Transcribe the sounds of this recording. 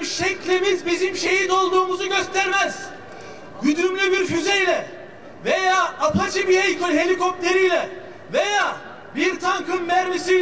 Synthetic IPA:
ʃɛclʲimizbizimʃe̞jid̪o̞lˠd̪uːmuzuɟø̞st̪ʰæɾmæz̥ | ɟyd̪ɾymlʲybiɾfyzɛjlʲɛ | ve̞jaːapʰat͡ʃʰɯbihejkʰoɦe̞lʲiko̞p̚lʲe̞ɾijlʲɛ | vejaː | biɾt̪ʰaŋkʰɯmːæɾmisij

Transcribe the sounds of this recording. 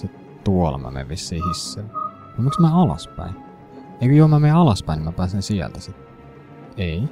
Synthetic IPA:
sit̪ | t̪uolɑ̰mæ̰mḛʋʋisːiːhisːeː | kmut̪smæɑlɑ̰spæ̰in | eikøjomæmeɑlɑspæinimæpæːsinsiæ̰lt̪æsit̪ː | ei

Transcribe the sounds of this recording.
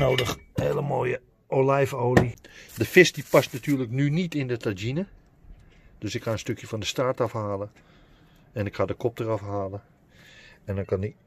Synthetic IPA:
oːdəxheːləmoːjə | olɛjfoːlidəfɪstipastnatʰyːləknynitɪndətad͡ʒinə | d̥øsɪkhaənstøkjəfɔndəstaɹtɑfhaːlə | ɛnɪkhadəkʰɔp̚tərɑfhaːlə | ɛndɔnkɑni

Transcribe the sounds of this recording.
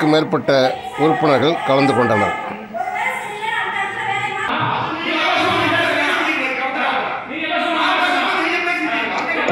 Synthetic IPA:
kːɯmeːɾpɐʈːɐ | ʔʊɾʊpːɯɳɐɾɣɐɭkɐlɐnd̪ɯkɔɳɖɐnɐ̰ɾ

